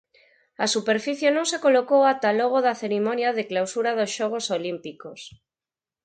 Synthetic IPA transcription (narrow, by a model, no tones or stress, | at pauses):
asupeɾfiθjenõŋsekolokowat̪aloɣ̞oðaθeɾimonjaðɪklawsuɾaðosʃɔɣ̞osolimpikos